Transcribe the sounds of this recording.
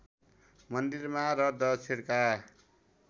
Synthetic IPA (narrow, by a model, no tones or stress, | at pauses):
mʌnd̪iɾmaɾʌdʌt͡sʰeɽka